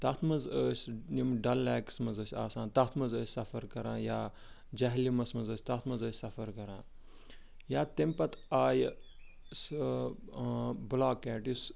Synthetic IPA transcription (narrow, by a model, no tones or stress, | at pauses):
t̪ɐt̪ʰmɐzəːsʲnimɖɐlːɛːksmɐzəsʲaːsaːnt̪ɐt̪ʰmɐzəːsʲsɐfɐɾkɐɾãːnjaː | d͡ʒɐɦlimɐsmɐzəːsʲt̪ɐt̪ʰmɐzəːsʲsɐfɐɾkɐɾã̰ː | jaːt̪empɐt̪aːj | s | blaːkɛːʈjus